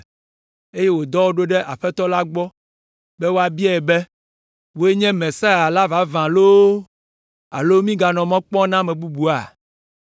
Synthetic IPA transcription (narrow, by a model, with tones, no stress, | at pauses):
e˦je˦wo˨d̪ɔ˦wo˦ɖo˦ɖɛ˦ʔa˨ɸɛ˦t̪ɔ˦la˦ɡ͡bɔ˦ | bɛ˦wo˦a˨bi˦ɛ˦˨ɛ˨bɛ˦ | wo˦e˦ɲɛ̃˦mɛ̃˨sa˦a˨la˦va˦vã˨lo˦ | a̰˨lo˦mĩ˦ɡa˨nɔ̃˨mɔ̃˦k͡pɔ̃˦nã˦mɛ̃˨bu˦bu˨a̰˨